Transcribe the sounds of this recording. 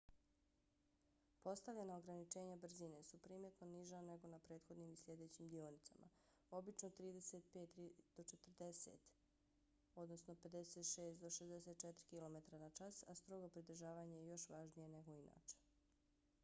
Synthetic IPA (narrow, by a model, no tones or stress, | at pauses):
po̞st̪aʋʎenaoɡɾanit͡ʃe̞ːɲabr̩zine̞supɾiːmet̪noniʒane̞ɡo̞napɾe̞ːt̪xo̞d̪nimislʲjed̪eːt͡ɕimd̪ionit̪sa̰mʔa̰ | o̞bit͡ʃnot̪ɾiːd̪eset̪̚pe̞ːt̪ːɾid̪̥o̞t͡ʃet̪r̩d̪e̞sḛt̪ | o̞d̪nosno̞pe̞d̪eset̪ʃeːst̪d̪o̞ʃezd̪eset̪̚t͡ʃɛt̪ɾikilˠo̞met̪ɾanat͡ʃasast̪ɾoɡo̞pɾid̪r̩ʒaːʋaːɲajejo̞ʃʋaːʒnije̞neɡo̞ina̰ːt͡ʃe̥